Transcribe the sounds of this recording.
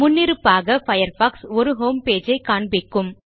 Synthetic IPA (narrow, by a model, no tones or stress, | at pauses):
mʊnːɪɾɯpːaːɣɐfɐjɐɾfaːksɔɾɯɦoːmpeːd͡ʒɐɪkaːɳbɪkːɯm